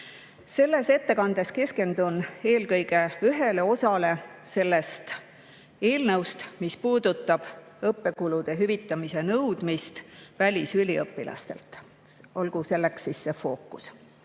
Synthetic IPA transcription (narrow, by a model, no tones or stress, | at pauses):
se̞lːe̞se̞t̪ːe̞kɑnd̪̥e̞ske̞ske̞nd̪̥une̞ːlkɤjɡ̥e̞yɦe̞le̞o̞sɑle̞se̞lːe̞st̪ | e̞ːlnɤwst̪mispuːd̪̥ut̪ːˑɑb̥ | ɤpːe̞kulud̪̥e̞ɦyvit̪ːˑɑmise̞nɤwd̪̥mist̪vælʲisylʲiɤpːilɑ̰st̪e̞̰lt̪ˑ | o̞lɡ̥use̞lːe̞ksisːe̞fo̞ːkːˑu̥s